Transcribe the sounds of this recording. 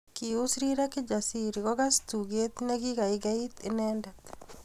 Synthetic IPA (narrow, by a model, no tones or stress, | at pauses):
kiʊsɾiɾaked͡ʒasiɾiɡɔɡast̪uɡet̪neɡiɡaɪɡait̪enɛndɛt̪